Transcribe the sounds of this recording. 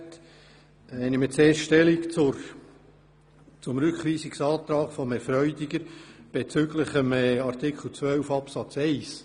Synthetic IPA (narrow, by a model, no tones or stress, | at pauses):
t | ɛɪnimət͡seːɾsʃtɛlikt͡sʊɾ | t͡sʊmɾʉkχviːsiksɑːt̪ɾɑːɡfɔmɛɾfɾœʏdiɡəɾb̥et͡sʏɡləχəmɑɾt̪ɪkχl̩ˠt͡svœwfɑpsɑt͡sɛɪs